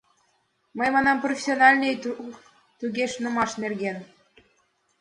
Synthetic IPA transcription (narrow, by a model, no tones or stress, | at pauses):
məjmɑnɑmprofʲe̥sʲonɑlʲnej | t̪uɣʲeʃnumɑʃnerɣʲen